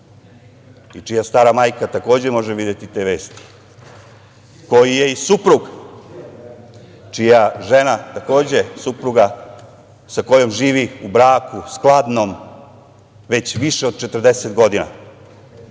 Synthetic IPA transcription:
it͡ʃijast̪aːɾamaːjkat̪ako̞ːd͡ʑe̞mo̞ʒeʋid̪jet̪it̪e̞ːʋe̞ːst̪i̥ | ko̞jije̞isupɾuɡ | t͡ʃijaʒe̞nat̪ako̞ːd͡ʑe̞supɾuɡa | sako̞jo̞mʒiːʋiubɾaːkusklˠad̪no̞m | ʋe̞t͡ɕʋiʃe̞od̪̚t͡ʃet̪ər̩d̪eset̪ɡo̞d̪ina̰

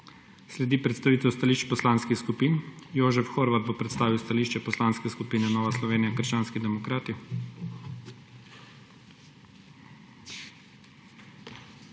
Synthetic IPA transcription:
slɛd̪iːpɾɛt̪st̪aʋiːt̪ɛwst̪aliːʃt͡ʃpɔslaːnskixskupiːnjoːʒɛfxoːɾʋad̪̚bopɾɛt̪st̪aːʋiwst̪aliːʃt͡ʃɛpɔslaːnskɛskupiːnɛnɔːʋaslɔʋeːniakəɾʃt͡ʃaːnskid̪ɛmɔkɾaːt̪i

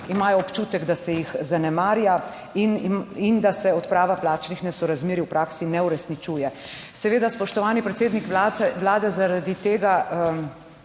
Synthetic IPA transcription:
imaːjɔɔpt͡ʃuːt̪ɛɡd̪asɛjixzanɛmaːɾja | inind̪asɛɔt̪pɾaːʋaplaːt͡ʃnixnɛsɔɾazmeːɾiwpɾaːksinɛuɾɛsnit͡ʃuːjɛ | sɛʋeːd̪aspɔʃt̪ɔʋaːnipɾɛt̪seːd̪nikʋaʋlaːd̪ɛzaɾad̪it̪eːɡaə

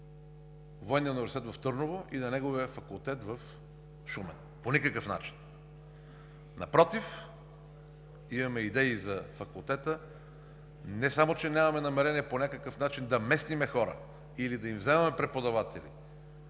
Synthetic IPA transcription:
vɔɛniəunivɛɾsit̪ɛt̪vɐft̪ɤɾnovoʔinɐnɛɡoviəfɐkulˠt̪ɛt̪vɐf | ʃumɛ̰n | ponʲikəkəfna̰t͡ʃi̥n | nɐpɾɔt̪if | imɐmɛid̪ɛizɐfɐkulˠt̪ɛt̪ə | nɛsamot͡ʃɛnʲamɐmɛnɐmɛɾɛniɛponʲakəkəfnat͡ʃind̪ɐmɛst̪imɛxɔɾə̰ | ilid̪ɐimvzɛmɐmɛpɾɛpod̪ɐvat̪ʰɛ̰lḭ

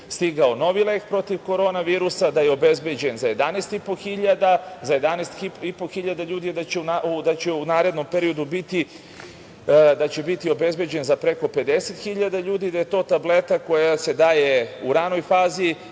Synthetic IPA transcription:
st̪iɡao̞no̞ʋilekpɾo̞t̪iʋko̞ɾo̞ːnaʋiːɾusad̪ajeo̞be̞zbe̞d͡ʑe̞nzaje̞d̪anest̪ipo̞xiʎad̪azaje̞d̪anest̪ipipo̞xiʎad̪aʎuːd̪ied̪at͡ɕeunaud̪at͡ɕeunaːɾe̞d̪no̞mpeɾio̞d̪ubit̪i | d̪at͡ɕe̞bit̪io̞be̞zbe̞d͡ʑe̞nzapɾe̞ko̞pe̞d̪e̞set̪xiʎad̪aʎuːd̪iːd̪aje̞t̪o̞ːt̪able̞t̪ako̞jase̞d̪aːje̞uɾano̞jfaːzi

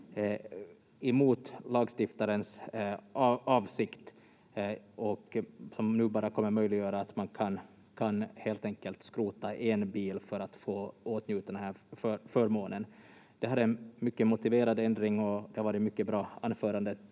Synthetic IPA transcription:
ɛmuːt̪lɑːɡst̪ɪft̪aɾəns | ɑːvsɪkt̪ | ɔksɔmnʉ̟ːbɑːɾakʰɔmːəɾmœjlɪɡjœːɾaːt̪mankʰan | kʰanheːlt̪ɛŋkəlt̪skɾuːt̪aʔɛnbiːlfœɾat̪foːoːt̪njʉ̟ːt̪ad̪d̪ɛnhæːɾfœfœɾmoːnənd̪̥ɛɦad̪ɛnmʏkːəmʊt̪ɪveːɾad̪ɛnd̪ɾɪŋɔd̪ɛhaɾvɑːɾɪmʏkːəbɾɑːa̰nːfœːɾand̪ə

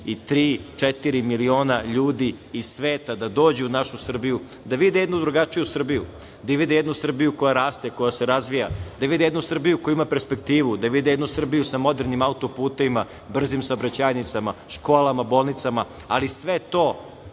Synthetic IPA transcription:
it̪ɾiːt͡ʂet̪iɾimilio̞ːnaʎuːd̪iː | sʋeːt̪ad̪ad̪o̞ːd͡ʑeunaʃusr̩biju | d̪aʋid̪ɛjed̪nud̪ɾuɡat͡ʂijusr̩bijṵ | d̪aiʋid̪ejed̪nusr̩bijuko̞jaɾaːst̪eko̞jaseɾazʋijad̪aʋid̪eed̪nusr̩bijukojuimape̞ɾspek̚t̪iːʋud̪aʋid̪ɛjed̪nusr̩bijusamo̞d̪eɾnimaut̪opuːt̪eʋima | br̩zimsaobɾat͡ɕaːjnit̪samaʃko̞ːlamabo̞ːlˠnit̪sama | alisʋet̪oː

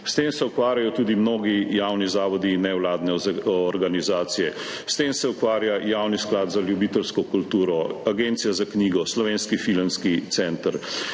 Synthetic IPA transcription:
st̪eːmsɛukʋaːɾjajɔt̪uːd̪imnoːɡijawnizaːʋɔd̪inːɛwlaːd̪nɛɔɾɡanizaːt̪sijɛ | st̪eːmsɛukʋaːɾjajaːwnisklaːd̪zaljubiːt̪əlskɔkult̪uːɾɔaɡent̪sijazakniːɡɔslɔʋeːnskifilənskit̪sɛnt̪əɾ

